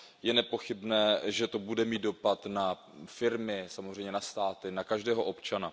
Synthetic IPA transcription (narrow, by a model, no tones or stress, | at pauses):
jɛnɛpo̞xɪbnɛːʒɛt̪o̞budɛmiːt̪̚do̞pat̪na | fɪɾmɪsamozr̝ɛjɲɛnast̪aːt̪ɪnakaʒdɛːɦoʔo̞pt͡ʃana